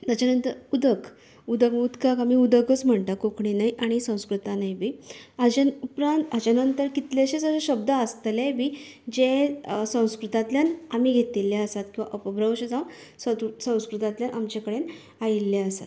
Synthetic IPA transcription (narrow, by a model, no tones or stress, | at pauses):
t̪at͡ɕanənt̪əɾud̪ək | ud̪əkud̪kakam̤iud̪əkət͡sm̤əɳt̪akokɳinajʔaɽ̃isə̃w̃skɾut̪anajbʱiːad͡ʑanupɾãnt̪at͡ɕanənt̪əɾkit̪leɕet͡səsəɕəbd̪aəst̪lebʱiː | d͡ʑesə̃w̃skɾut̪at̪ljanam̤iːɡʱet̪ilːaəsat̪̚kĩw̃ʋa̰ʔəpəbɾəwɕed͡zawn | səsə̃w̃skɾut̪at̪ljanʔamt͡ɕakəɽen | ailːaəsa̰t̪